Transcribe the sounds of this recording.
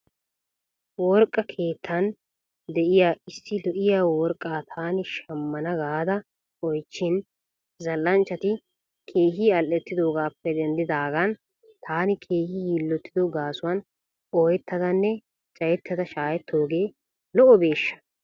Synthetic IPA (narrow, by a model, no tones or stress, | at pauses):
wɔɾkʼːɐkʰe̞ːt̪ʰːɐn | d̪ɛʔɪjaːɪsːɪlɔʔɪjaːwɔɾkʼːaːt̪ʰaːnɪʃɐmːɐnɐɡaːd̪ɐ | ɔjt͡ʃːɪn | zɐlːɐnt͡ʃːɐt̪ɪ | kʰe̞ːɦiːɐlʔɛt̪ːɪd̪o̞ːɡaːpːɛd̪ɛnd̪ɪd̪aːɡɐn | t̪ʰaːnɪkʰeːhiːjilːɔt̪ːɪd̪ɔɡaːsʊwɐn | ɔːjɛt̪ːɐd̪ɐnːɛ | t͡ʃʼɐjɛt̪ːɐd̪ɐʃaːjɛt̪ːo̞ːɡe̞ː | lɔʔɔbe̞ːʃːɐ̥